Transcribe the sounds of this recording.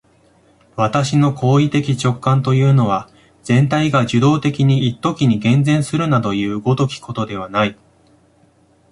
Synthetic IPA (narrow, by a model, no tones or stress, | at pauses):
βat̪aɕino̞kʰo̞ːit̪e̞kʲit͡ɕo̞kːãnt̪o̞jɯ̟ːno̞β̞a | z̥ẽ̞nt̪aiɡaʑɨd̪o̞ːt̪e̞kʲiɲ̟iit̪ːo̞kʲiɲ̟iɡẽ̞nd͡zẽ̞ɰ̃sɨɾɯ̟nad̪o̞jɯ̟ːɡo̞d̪o̞kʲi̥ko̞t̪o̞d̪e̞β̞anai